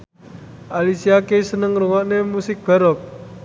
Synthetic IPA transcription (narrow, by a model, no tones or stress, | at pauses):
ʔalisiakesənəŋruŋɔʔnemusɪk̚b̥a̤ɾɔp̚